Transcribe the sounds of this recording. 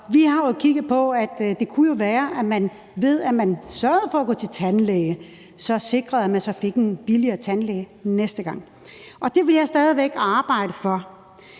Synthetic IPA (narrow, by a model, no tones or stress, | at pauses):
ʋihɑ̈jokʰiɡ̥ð̩ˠpʰɒ̽æd̥d̥e̝kʰujo̝ʋæːɐʔæmæn | ʋe̝ð̞̰ˠæmænsɶɐð̞̩ˠfɒ̽æɡ̥ɔ̰ːt͡sʰe̝lt͡sʰænleːɪə | sɒ̽se̝ɡ̥ʁɐðˠæmænsɒ̽fe̝ɡ̥enb̥iliɐːt͡sʰænleɪnesd̥əɡ̥ɑ̈ŋ̰ | ʔɒ̽d̥e̝ʋe̝ljɑ̈ɪsd̥ɛːð̞ˠiʋeɡ̥ɑ̈ːb̥ɑ̈ɪ̰ɾəfɒ̽